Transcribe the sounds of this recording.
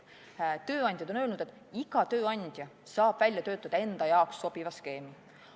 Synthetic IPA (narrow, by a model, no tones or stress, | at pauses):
t̪ø̞ːɑnʲd̪̥ʲjɑd̪o̞nø̞ːlnud̪̥e̞t̪ːˑ | iɡ̥ɑt̪øːɑnʲd̪̥ʲjɑsɑːb̥vælʲjɑt̪øːt̪ːˑɑd̪̥ɑe̞nd̪̥ɑjɑoksːo̞b̥ivɑske̞ːmi